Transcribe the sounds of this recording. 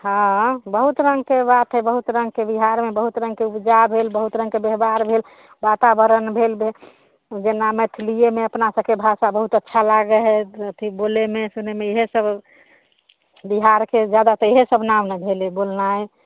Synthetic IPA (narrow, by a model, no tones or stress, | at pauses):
ɦə̃bəɦut̪ɾəŋɡkebat̪ɦebəɦut̪ɾəŋɡ̚kebiɦaɾmebəɦut̪ɾə̃ŋɡ̚keupd͡ʒabʱelbəɦut̪ɾə̃ŋɡkebeɦbaɾbʱel | bat̪abəɾənbʱelbʱe | d͡ʒenamet̪ʰlijemeəpnasəbkebʱasabəɦut̪ətːʃʰalaɡəɦɛət̪ʰibolemesunemeeɦesəb | biɦaɾked͡ʒjad̪at̪ɔeɦesəbnamnəbʱelebolnaj